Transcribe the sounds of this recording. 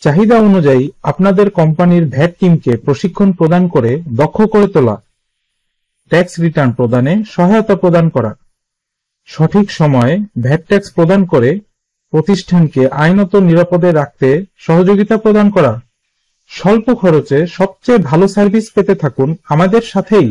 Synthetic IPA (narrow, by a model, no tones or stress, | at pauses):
t͡ɕaɦid̪aonud͡ʑaiapnad̪eɾkɔmpaniɾbʱɛʈ̚kimkepɾoʃikʰːonpɾod̪ankoɾed̪ɔkʰːokoɾet̪ola̰ | ʈɛksɾiʈaɾnpɾod̪aneʃɔɦaot̪apɾod̪ankɔɾa̰ | ʃɔʈʰikʃɔmɔebʱɛʈ̚ːʈɛkspɾod̪ankoɾe | pɾot̪iʃʈʰankeʔajnɔt̪oniɾapod̪eɾːak̚t̪eʃɔɦod͡ʑoɡit̪apɾod̪ankɔɾa | ʃɔlpokʰɔɾot͡ɕeʃɔb̚t͡ɕejbʱalosaɾbʱispet̪et̪ʰakunamad̪eɾʃat̪ʰej